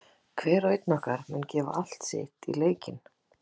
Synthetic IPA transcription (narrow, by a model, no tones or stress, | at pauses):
kʰvɛːɾœɥjt̪nɔhkaɾ̥mʏncɛːva̰ʔal̥t̪sɪ̰ht̪ḭleːjcɪn